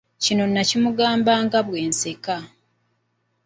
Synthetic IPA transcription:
cino̞nːacimuɡaːmbaːŋɡaβwe̞ːnseka

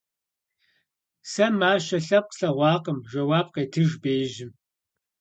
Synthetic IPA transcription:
sɐmaːʃɐɬɐp̚qɬɐʁʷɑːqəmʒɐwaːb̚qeːtʰɨʒbeːʒɪm

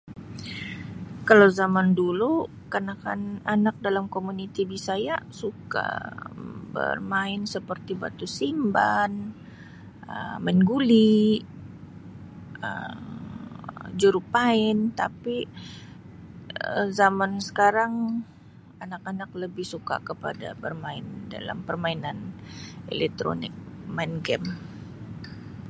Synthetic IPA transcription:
kalawzamandulu | kanaka̰nanak̚dalamkomunit̪ibisajasuka̰ | bə̰rmaɪnsəpərt̪iba̰t̪usimba̰n | ə̰maɪnɡuli | ə̰m | d͡ʒuɾupaɪnt̪a̰pi | əzamansə̥kaɾaŋ | anakanak̚ləbɪhsuka̰kəpa̰da̰bərmaɪnda̰la̰mpərmainanḛlɛk̚t̪ɾo̰nɪk̚ | maɪnɡɛm

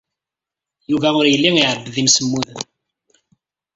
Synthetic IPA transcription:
juvæʊɾjəlːiŋiʕəɾəbðimsəmːuðən

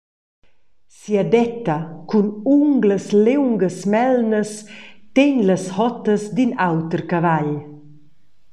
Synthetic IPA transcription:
siad̪ɛt̪ːakunuŋɡləslewŋɡəsmɛlnəst̪eɲləshɔt̪əsd̪inawt̪əɾkavaʎ

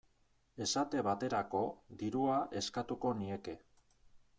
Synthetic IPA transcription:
e̞sat̪e̞βat̪e̞ɾako̞d̪iɾuaʔe̞skat̪uko̞nie̞ke̞

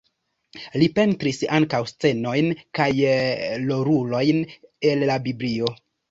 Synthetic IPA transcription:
lipe̞ntɾisaŋkawst͡se̞no̞jnkajlo̞ɾulo̞jne̞lːabiblio̞

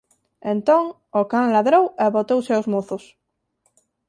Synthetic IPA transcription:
ẽnt̪õŋ | okanlaðɾoweβot̪owseawzmoθos

